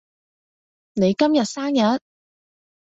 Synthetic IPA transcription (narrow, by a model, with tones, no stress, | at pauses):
ne˨˧jkɐ˥mjɐ˨t̚saː˥ŋjɐ˨˥t̚